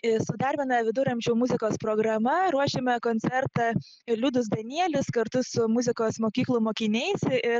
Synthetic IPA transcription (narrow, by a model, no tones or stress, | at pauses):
ɪsʊd̪ɐːɾʲbʲɪnɐʋʲɪd̪ʊɾɐmʲt͡ʃʲɛʊmʊzʲɪkoːspɾoːɡɾɐmɐɾuɔʃʲemʲɛkoːnʲt̪t͡ssʲɛɾt̪ɑ | lʲud̪ʊs̬d̪ɐnʲiɛlʲɪskɐɾt̪ʊsʊmʊzʲɪkoːsmoːkʲiːklˠʊmoːkʲɪnʲɛɪsɪ